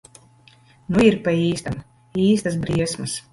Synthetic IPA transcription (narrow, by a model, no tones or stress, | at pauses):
nuiɾpaiːst̪am | iːst̪ɐsbɾiɛsmɨs